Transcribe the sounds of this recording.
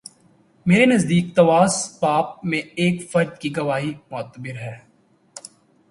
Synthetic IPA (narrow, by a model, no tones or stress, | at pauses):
meːɾenɐzd̪iːk̚t̪ɐʋaːspaːp̚mẽeːkfɐɾd͡ʒkiɡɐʋaːɦimʊət̪ːəbɪɾɦɛː